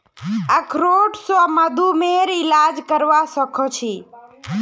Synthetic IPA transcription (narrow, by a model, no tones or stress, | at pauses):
əkʰɾoʈsaməd̪ʱumeɾilad͡ʒkəɾʋasəkʰɔt͡ʃʰi